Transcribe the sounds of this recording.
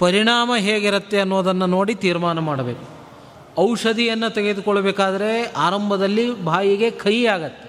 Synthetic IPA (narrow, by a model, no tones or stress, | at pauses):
pɐɾiɳaːmɐɦeːɡiɾɐt̪ːeɐnːuʋd̪ɐnːɐno̞ːɽit̪iːɾmaːnɐmaːɽɐbḛːku | ɐwʂɐd̪ʱijɐnːɐt̪eɡe̞d̪ukɔɭːɐbeːkaːd̪ɐɾe̞aːɾɐmbʱɐd̪ɐlːibʱaːjiɡe̞kʰɐjaːɡɐt̪ːe